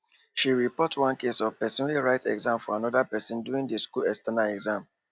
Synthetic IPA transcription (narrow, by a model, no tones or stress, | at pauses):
ʃiɹipɔtwãnkesɔv̥pɛsɔnliɹaɪtɛ̰ɡzãmfɔanɔdapɛsɔ̃nduĩŋdiskulɛstanaɛɡzãm